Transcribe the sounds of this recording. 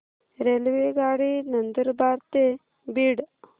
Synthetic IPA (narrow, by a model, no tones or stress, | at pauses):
ɾelʋeːɡaːɽinɐnd̪əɾbaːɾt̪e | biɽ